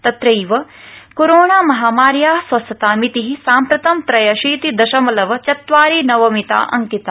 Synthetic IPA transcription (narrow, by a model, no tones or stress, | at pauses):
t̪ɐt̪ɾɐjʋɐ | koɾoːɳaːmɐɦaːmaːɾjaːɦsʋɐsɐt̪aːmit̪iɦisaːmpɾɐt̪ɐmt̪ɾɐjɐʃiːt̪id̪ɐʃɐmɐlɐʋɐt͡ʃɐt̪ʋaːɾiːnɐʋɐmit̪a̰ːʔɐ̰ŋkit̪aː